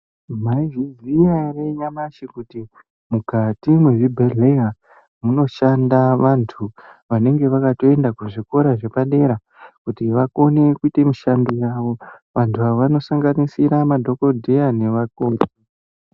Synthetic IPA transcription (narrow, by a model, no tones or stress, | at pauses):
maivizijare̞ɲamaʃikuti | mukatimwe̞ʐibʱeɮeja | muno̞ʃandaʋantʰuʋane̞ŋɡe̞ʋakato̞e̞ndakuʐiko̞ɾaʐe̞paɗe̞ɾa | kutiʋako̞ne̞kuite̞muʃandojaʋo̞ʋantʰuaoʋano̞saŋɡanisiɾamadʱo̞ko̞dʱejane̞ʋakoːti